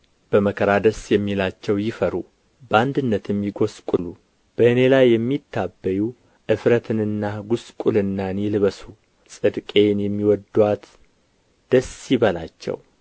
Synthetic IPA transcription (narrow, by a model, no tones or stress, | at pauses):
b̥əməkʰəɾad̪əsjɛmːilat͡ʃːɛwjɪfəɾu | bəand̪ɨnːət̪jɛmːiɡo̞skʼulu | b̥əʔɨne̞lajːɛmːit̪ːabːəju | ʔɨfɾət̪ʰɨnɨnːaɡuskʼulɨnːanilɨβəsu | sʼɨd̪kʼenjɛmːiwɔd̪wat̪ | d̪̥əsjɪβəla̰t͡ʃːɛ̰w